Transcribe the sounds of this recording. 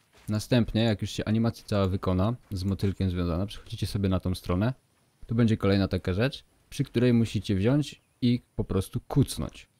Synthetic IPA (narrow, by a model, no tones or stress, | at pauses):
nast̪ɛmpɲɛjakjuʂɕɛʔaɲimat̪sʲjat̪sawavɘkɔnazmɔt̪ɘlkʲɛmzvʲjɔ̃za̰napʂɛ̥xɔd͡ʑit͡ɕɛsɔbʲjɛnat̪ɔ̃w̃st̪ɾɔn̪ɛ | t̪ɔbɛɲd͡ʑɛkɔlɛjnat̪akaʐɛt͡ʂ | pʂɘkt̪uɾɛjmuɕit͡ɕɛvʑɔɲt͡ɕ | ipɔpɾɔst̪ukut̪snɔ̰ɲt͡ɕ